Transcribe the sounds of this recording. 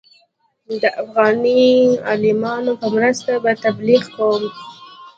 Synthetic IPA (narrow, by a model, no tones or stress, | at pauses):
d̪əʔafɣɑniɑ̰lɪmɑnopəmɾəst̪abat̪abliɣkawəm